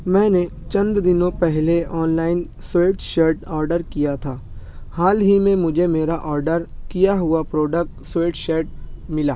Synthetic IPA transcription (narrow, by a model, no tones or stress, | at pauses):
mɛ̃ːne | t͡ʃɐ̃nd̪d̪ɪnõpɛɦleɔːnlaːɪn | sweːʈʃeɾʈɔːɾɖəɾkijat̪ʰaː | haːlɦimẽmʊd͡ʒʱemeːɾaʔɔːɾɖəɾkijaɦʊapɾoːɖək̚ʈsweːʈʃeːɾʈ̚mɪlaː